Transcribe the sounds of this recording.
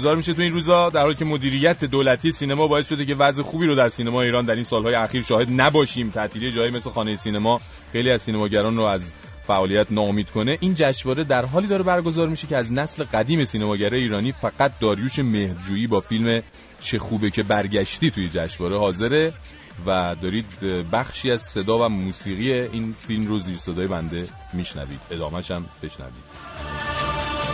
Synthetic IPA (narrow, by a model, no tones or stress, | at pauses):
ozɒːɾmiʃet̪ʰuiːnɾuːzɒd̪æɾhɒːlicʰemo̞d̪iːɾijæt̪ʰe̞d̪oːlæt̪ʰijesiːnemɒːbɒːesʃo̞d̪ece̞væzexuːbiːɾod̪æɾsiːnemɒːeiːɾɒːnd̪æɾinsɒːlhɒːje̞æxiːɾʃɒːhe̞d̪næbɒːʃiːmt̪ʰæʔt̪ʰilijeɒːjime̞slexɒːnejesiːnemɒː | xejliːæzsiːnemɒːɟæɾɒːnroæz | fæʔɒːlijæt̪ʰnɒːomiːd̪̥kʰo̞ne̞ʔind͡ʒæʃvɒːɾe̞d̪æɾɦɒːliːd̪ɒːɾebæɾɡo̞zɒːɾmiʃe̞cʰe̞æznæsle̞ɢæd̪iːme̞siːnemɒːɟæɾɒːjeiːɾɒːniːfæɡ̥æt̪̚d̪ɒːɾjuːʃe̞mehdd͡ʒuːjiːbɒːfilme̞ | t͡ʃʰe̞xuːbecʰe̞bæɾɟæʃt̪iːt̪ʰujed͡ʒæʃvɒːɾe̞hɒːze̞ɾe̞ | væd̪ɒːɾiːd̪bæxʃiːæzse̞d̪ɒːvæmuːsiːɣijeiːnfilmroziːɾsed̪ɒːje̞bænd̪e̞ | miːʃnæ̰vḭːd̪̥e̞d̪ɒːmæʃæmb̥e̞ʃnæ̰vḭːd̪̥